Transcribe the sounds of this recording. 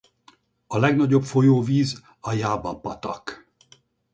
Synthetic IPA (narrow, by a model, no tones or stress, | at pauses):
ɒlɛɡnɒɟo̞pfo̞joːviːz | ɒjaːbɒpːɒt̪ɒk